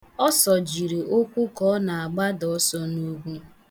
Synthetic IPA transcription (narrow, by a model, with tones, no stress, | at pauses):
ɔ˦sɔ˨d͡ʒi˨ɾi˨ʔo˦kʷʊ˦kɔ˦na˨a˨ɡ͡ba˦dɔ˨˦sɔ˦nu˦ɡʷu˦